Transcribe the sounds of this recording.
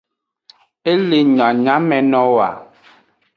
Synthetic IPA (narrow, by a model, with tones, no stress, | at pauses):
e˦le˨ɲa˨ɲa˨˦mɛ˨nɔ˦wa̰˨